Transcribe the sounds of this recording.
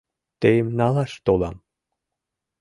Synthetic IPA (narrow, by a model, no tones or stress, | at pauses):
t̪ejmnɑlɑʃt̪olɑ̰m